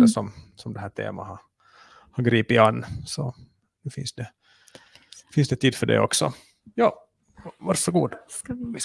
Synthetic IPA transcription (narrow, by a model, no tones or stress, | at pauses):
əʂɔmsɔmd̪ɛhæːʈʰḛːma̰hɑɾ | hɑɡɾiːpɪanːsɔ | nʉfɪ̰nsd̪ɛ | fɪnsd̪ɛt̪ʰiːd̪fœɖɛ̰ɔ̰ksɔ | jɑː | vaɾʂəɡuːd̪